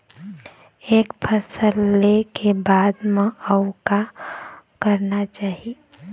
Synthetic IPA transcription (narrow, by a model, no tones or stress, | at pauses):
ekpʰəsəlekebad̪mẽəʊka | kəɾnat͡ʃaːɦi